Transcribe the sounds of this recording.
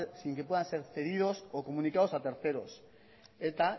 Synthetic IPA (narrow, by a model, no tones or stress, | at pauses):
siŋkep̬we̞ðãnse̞ɾθe̞ðið̞o̞sokomũnikaosat̪eɾθe̞ɾos | et̪a